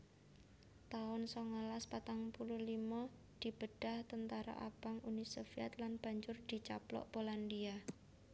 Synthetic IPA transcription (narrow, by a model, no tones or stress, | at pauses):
t̪aʊnsɔŋalaspat̪aŋpuluhlimɔ | d̪̥i̤b̥əɖ̥a̤ht̪ənt̪aɾa̰ʔab̥aŋunisofiat̪lanb̥a̤ɲd͡ʒʊrd̪̥i̤t͡ʃa̰plɔ̰ʔb̥olandia